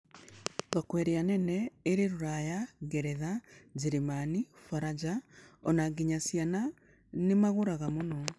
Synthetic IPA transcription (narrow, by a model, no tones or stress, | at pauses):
ɣakwɛɾeanɛnɛeɾeɾoɾajaɣɛɾɛðad͡ʒeɾemanifaɾad͡ʒaɔnaɡiɲasjana | nemaɣoɾaɣamonɔ